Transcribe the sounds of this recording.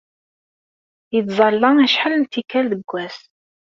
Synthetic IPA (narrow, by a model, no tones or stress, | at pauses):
jət̪zˤɑlːəŋæʃħəlnt̪ːikːælðəɡʷːæs